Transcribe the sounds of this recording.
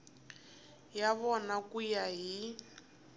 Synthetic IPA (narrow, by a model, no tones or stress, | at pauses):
jaβɔnakujaɦi